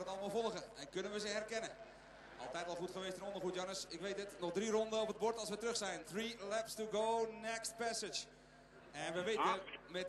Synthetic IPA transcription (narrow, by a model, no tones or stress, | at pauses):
ətɑlˠəmɑlˠfɔlˠəɣəɛnkønənʋəzəɦɛrkɛnə | ʔɑ̰lˠtɛjtʋɔlˠxutχəʋeːstɪnɔndərχutjanəsɪkʋeːtətnɔχdrirɔndəɔpət̚bɔrtɑlˠsʋətrɵxsɛjnθrilɛpstuɡoːnɛkst̚pɛsət͡ʃ | ɛnʋəʋeəmɛt